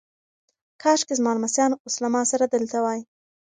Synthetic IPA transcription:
kʰɑʃkezmɑlmasjɑnʊslamɑsaɾad̪əlt̪awɑji

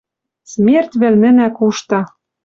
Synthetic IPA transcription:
smʲert̪βɘ̆lnɘ̆nækuʃt̪ɑ

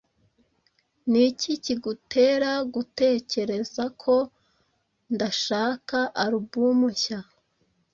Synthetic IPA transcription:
niciciɡutʰe̞ːɾaɡute̞ːce̞ɾe̞zakʰo̞ | ndaʃaːkaʔaɾubɡumuça

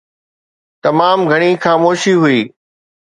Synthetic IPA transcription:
t̪ɐmaːmɡʱɐɽ̃ixaːmoːʃiɦʊiː

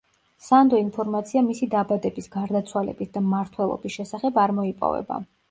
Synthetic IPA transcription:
sand̪ɔinpʰɔɾmat̪sʰiamisid̪abad̪ɛbisɡaɾd̪at̪sʰwalɛ̰bisd̪ammːaɾt̪ʰwɛlˠɔ̰bisʃɛsaχɛbaɾmɔipʼɔ̰vɛ̰ba̰

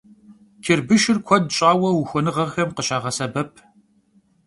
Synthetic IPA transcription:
kʰɪrbɨʃɪrkʷʰɔdɕʼaːwɐwʊxʷɔnɨʁɐʁxɐmqəɕaːʁɐsɐbɐpʰ

